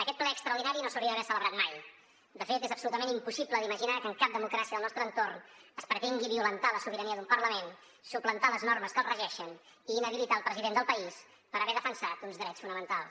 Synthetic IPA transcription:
əkɛt̪̚plɛəkst̪ɾəuɾðinaɾinosəwɾiəəβɛsələβɾat̪maj | d̪əfet̪ezəpsulut̪əmenimpusipləd̪iməʒinakəŋkap̚d̪əmukɾasiəðəlˠnɔst̪ɾənt̪ornəspɾət̪eŋɡiβiulənt̪aləsuβəɾəniəðumpərləmen | suplənt̪aləznɔrməskəlˠrəʒɛʃən | iːnəβilit̪aːlˠpɾəziðend̪əlˠpəis | pəɾəβɛðəfənsat̪unzðɾɛt͡sfunəmənt̪alˠs

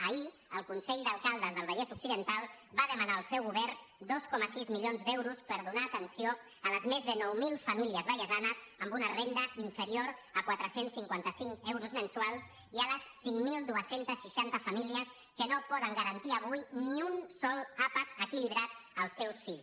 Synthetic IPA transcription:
əiəlˠkunsɛʎd̪əlˠkalˠd̪əzðəlˠβəjɛzuksiðənt̪alˠ | baðəmənaəlˠsɛwɣuβɛɾ | d̪oskɔməsizmilionzd̪ɛwɾuspəɾðunaːt̪ənsio | ələzmezðənɔwmilˠfəmiliəzβəʎəzanəz | əmbunərend̪əiɱfəɾioɾəkwat̪ɾəsensːiŋkwant̪əsiŋkɛwɾuzmənsualˠs | iələsːiŋmilˠd̪uəsent̪əsʃiʃant̪əfəmiliəs | kənopɔðəŋɡəɾənt̪iəβujniunsɔlˠapət̪əkiliβɾat̪əlˠsːɛwsfiʎs

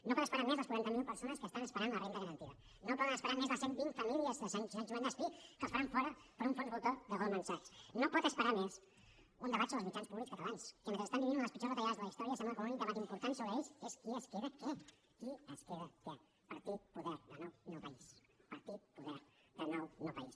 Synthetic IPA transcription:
nopɔt̪espəɾaɾmezləskwuɾɛnt̪əmilˠpəɾsonəskəst̪anəspəɾanlərend̪əðəɾənt̪iβɐ | nopɔðənəspəɾaɾmezðəsembilfamiliəzðəsanʒenʒumand̪əspikəsfaɾaɱfɔɾɐpəɾuɱfɔnβolt̪oðəɣolˠmansaksnopɔt̪əspəɾames | und̪əβat͡ʃsolˠzmit͡ʃanspuβlikskat̪alanskəmet̪ɾest̪amd̪iβinunləspit͡ʃozt̪aʎazðəlaist̪ɔɾiasembləkoũnd̪əβat̪impuɾt̪ansoβɾəeʎseskiəskeβəke | iəskeβəke | pəɾt̪it̪̚puðɛɾðənownowpaispəɾt̪it̪̚puðɛɾðənownowpais

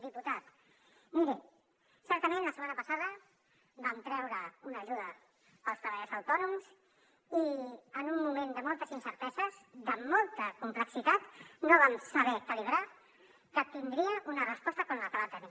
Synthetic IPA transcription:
d̪iput̪at̪ | miɾe | sɛɾt̪əmẽnləsəmanəpəsaðə | bamt̪ɾɛwɾəunəʒuðə | pəlˠst̪ɾəβaʎɛzəwt̪ɔnums | iənumːumend̪əmɔlˠt̪əzinsəɾt̪ɛzəzd̪əmɔlˠt̪əkumpləksit̪at̪noβ̞amsəβɛkəliβɾa | kət̪ind̪ɾiəʔunərəspɔst̪əkɔmləkəβat̪əni

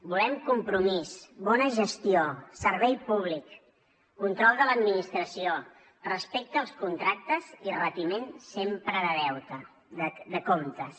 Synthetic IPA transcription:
bulɛmkumpɾumisβɔnəʒəst̪iosəɾβɛjpuβ̞likː | unt̪ɾɔlˠd̪ələd̪minist̪ɾəsio | rəspek̚t̪əːlˠskunt̪ɾak̚t̪əzirət̪imensempɾəðəðɛwt̪ə | əd̪əkomt̪ə

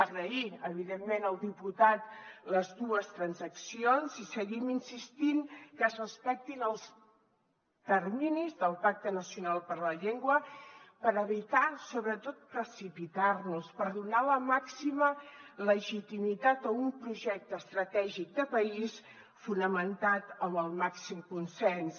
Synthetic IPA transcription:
əɣɾəiəβ̞iðemːenəlˠd̪iput̪at̪ləzðuəst̪ɾənzəksionzisəɣiminsist̪inkəzrəspɛk̚t̪inəlˠs | t̪ərminizðəlˠpak̚t̪ənəsjunalˠpəɾləʎeŋɡwəpəɾəβit̪asoβɾət̪ot̪̚pɾəsipit̪arnuspəɾðunaləmaksimələʒit̪imit̪at̪əumpɾuʒɛk̚t̪əəst̪ɾət̪ɛʒik̚d̪əpəis | funəmənt̪at̪əməlˠmaksimkunsɛns

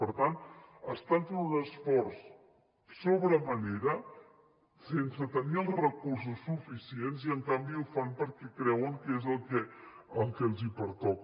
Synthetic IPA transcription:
pəɾt̪ant̪əst̪ant̪uunəsfɔɾs | soβɾəməneɾə | sensət̪əniəlˠrəkuɾs̬usːufisienziəŋkambiufampəɾkɛkɾɛwəŋkezəlˠkɛəlˠkɛəlˠzipəɾt̪ɔk

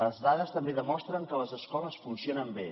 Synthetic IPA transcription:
əzðaðəst̪əmbeðəmɔst̪ɾəŋkələzəskɔləsfunsionəmbe

